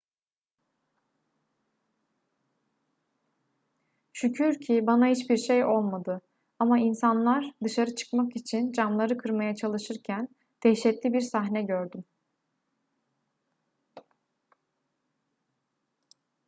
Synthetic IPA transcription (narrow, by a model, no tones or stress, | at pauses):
ʃycʰyɾcʰibanahit͡ʃbiɾʃejo̞lˠmad̪ɯ | amainsanlˠaɾd̪ɯʃaɾɯt͡ʃʰɯ̥kmakit͡ʃʰind͡ʒamlˠaɾɯkʰɯɾmajat͡ʃʰalˠɯʃɯɾcʰæn | d̪̥ʰɛʃɛt̪lʲibiɾsaɦnɛɟøɾd̪ym